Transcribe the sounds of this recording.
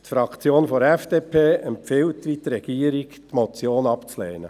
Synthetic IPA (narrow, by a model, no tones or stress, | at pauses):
t̪fɾɑkt͡sjoːnfɔɾɛfd̥eːpʰeːɛmpfɪwt̪ʋit̪ɾɛɡ̥iːəɾiktmɔt͡sjoːnɑpt͡sleːnə